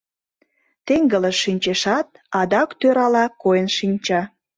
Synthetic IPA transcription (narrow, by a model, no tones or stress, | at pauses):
t̪eŋɡələʃinʲt͡ɕeʃɑt̪̚ | ɑd̪ɑkt̪øɾɑlɑkojənʃinʲt͡ɕɑ